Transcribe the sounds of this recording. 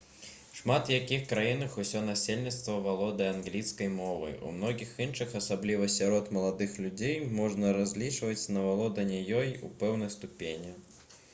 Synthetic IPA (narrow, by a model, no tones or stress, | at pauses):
ʂmat̪jakʲixkɾajinɨxusʲɔnasʲelʲnʲit̪st̪vɐvalˠɔd̪ɐanɣlʲiskɐjmɔvɐ̰jṵmn̪ɔɣʲixinʂɨxɐsablʲivɐsʲaɾɔt̪mɐlˠad̪ɨxlʲud͡zʲejmɔʐnɐɾazʲlʲit͡ʂvɐt͡sʲnɐvalˠɔd̪ɐnʲajɔjṵpɛwnɐjst̪upʲenʲɛ